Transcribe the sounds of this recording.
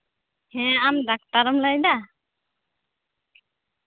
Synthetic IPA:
hɛ̃amdak̚t̪aɾɔmlajd̪a

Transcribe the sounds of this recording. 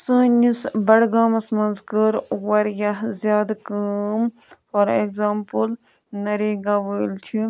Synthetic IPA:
sə̃ːnisbɐɽɡaːmɐsmɐnzkəɾwɐɾjɐɦzjaːd̪kəm | fɐɾeɡzaːmpəl | nɐɾeːɡɐʋəːlt͡ʃʰi

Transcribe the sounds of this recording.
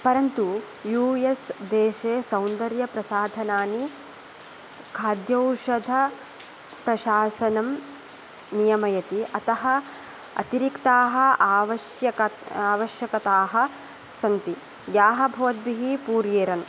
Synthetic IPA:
pɐɾɐnt̪u | juːjesd̪eːʃeːsɐwnd̪ɐɾjɐpɾɐsaːd̪ʱɐnaːni | kʰaːd̪jɐwʃɐd̪ʱɐ | pɾɐʃaːsɐnɐm | nijɐmɐjɐt̪iʔɐt̪ɐɦɐ | ɐ̰t̪iɾikt̪aːɦɐ̆aːʋɐʃjɐkɐaːʋɐʃjɐkɐt̪aːɦɐ̆ | sɐnt̪i | ɡjaːɦɐ̆bʱɐʋɐt̪̚biɦipuːɾjeːɾɐn

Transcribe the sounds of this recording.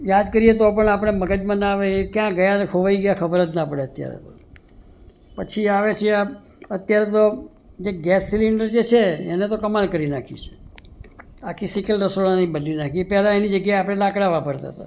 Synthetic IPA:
jad̪kəɾijet̪̬opəɳap̬əɽ̃eməɡəd͡ʒmãnaʋeekjãɡəjãnkʰoʋaiɡjakʰəbəɾət̪napəɽ̃eət̪ja̰ɾḛt̪o | pət͡ʃʰiaʋet͡ʃʰea | ət̪jaɾet̪o | d͡ʒeɡɛsːiliɳɖəɾd͡ʒet͡ʃʰeːnet̪okəmalkəɾinakʰḭt͡ʃʰe̥ | akʰisikəlɾəsoɭanibənlinakʰiepɛlaenid͡ʒəɡjaapɽ̃elakɽaʋapəɾt̪a̰t̪a

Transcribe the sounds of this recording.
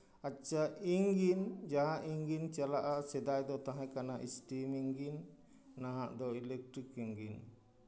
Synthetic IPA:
at͡ʃaiŋɡind͡ʒaɦaʔiŋɡint͡ʃalaʔasɛd̪ajd̪ɔt̪aɦãkanaʔistimiŋɡinː | aɦaʔd̪ɔilɛk̚ʈ̪ɾikiŋɡin

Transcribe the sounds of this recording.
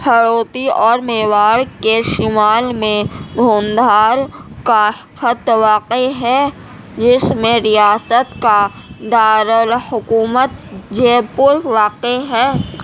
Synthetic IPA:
hʰəɽoːt̪iɔːɾmeːʋaːɽkeʃɪmaːlmẽd̪ʱoːnd̪ʱaːɾka | xət̪ʋaːqeɦɛ | d͡ʒɪsmẽɾɪjaːsət̪ka | d̪aːɾəlhʊkuːmət̪d͡ʒeːpʊɾʋaːqeɦɛː

